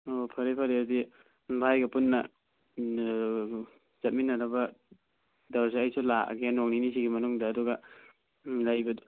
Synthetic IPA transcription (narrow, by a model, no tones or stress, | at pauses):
opʰɐɾepʰɐɾeɐdi | bʱajɡɐpunːɐ | t͡ʃɐt̚minːɐɾɐbɐ | daws̬iɐjsula̰ɡenoŋninis̬iɡimɐnuŋdɐːduɡɐ | lajbɐd